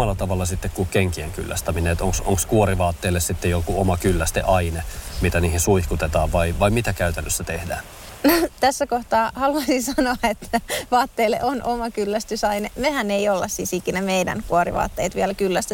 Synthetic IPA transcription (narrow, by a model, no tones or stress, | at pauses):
ɑlːɑt̪ɑʋɑlːɑsit̪ːekkukeŋkieŋky̰lːæ̰st̪æmineet̪oŋksoŋkskuoɾiʋɑːt̪ːeːlːessit̪ːejokuomɑkylːæst̪ḛʔɑinemit̪æniːhinsuihkut̪et̪ɑːʋʋɑiʋɑimit̪ækæyt̪ænːøsːæt̪ehdæːn | not̪æsːækoht̪ɑːhɑluɑisinsɑnoɑet̪ːæʋɑːt̪ːeːlːḛʔonʔomɑkylːæst̪ysɑinemehæneijolːɑssiːsikinæmeidæ̰ŋkuoɾḭʋɑ̰ːt̪ːḛːt̪ʋiɛlkylːæst̪y